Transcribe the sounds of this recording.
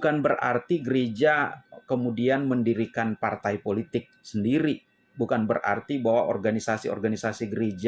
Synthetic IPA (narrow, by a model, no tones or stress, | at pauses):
kanbəra̰rt̪iɡəɾed͡ʒakəmudianməndiɾikanpart̪ajpolit̪ɪk̚səndiɾi | bukanbəra̰rt̪ibawaɔ̰rɡanisasiɔ̰rɡanisasiɡəɾed͡ʒa